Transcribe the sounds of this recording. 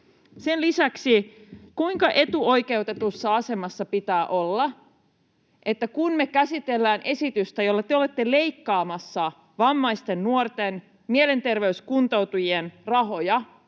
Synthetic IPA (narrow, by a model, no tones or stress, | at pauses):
se̞nlisæksikuiŋkɑʔe̞t̪uo̞jke̞ut̪et̪usːɑɑse̞mɑsːɑpit̪æːʔo̞lːɑ | ʔe̞t̪ːækunme̞kæsit̪e̞lːæːnʔe̞sit̪yst̪æjo̞lːɑt̪eo̞le̞t̪ːe̞le̞ikːɑːmɑsːɑ | ʋɑmːɑjst̪e̞nːuort̪en | miele̞nt̪e̞rʋe̞yskunt̪o̞wt̪ujienrɑɦo̞jɑ